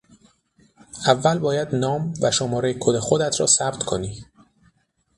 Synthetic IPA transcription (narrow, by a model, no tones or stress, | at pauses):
ævːælbɒːjæd̪nɒːmvæʃomɒːɾejkʰod̪exod̪æt̪ʰɾɒ̰ːsæbt̪kʰoniː